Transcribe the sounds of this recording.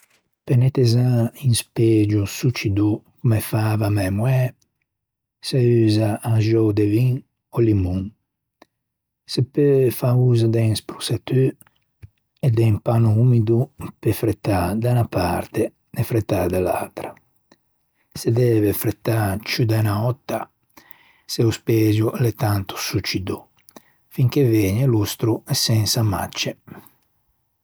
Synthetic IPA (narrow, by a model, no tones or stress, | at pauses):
penet̪ezãinsped͡ʒusut͡ʃid̪ukumefaːvamɛmwɛ | sayːzãːnʒowd̪eviŋ | olimuŋ | sepøfauːzad̪ɛŋspɾu̥set̪y | ed̪ɛŋpanuumid̪upefɾet̪ːad̪anapa̰ɾt̪e | nefɾet̪ːad̪ala̰lt̪ɾa | sed̪ɛːvefɾet̪ːat͡ʃud̪anaɔt̪ːa | seuspɛːzjulet̪ant̪u̥sut͡ʃid̪u | fiŋk̟evɛːɲelust̪ɾuɛsɛnsama̰t͡ʃːe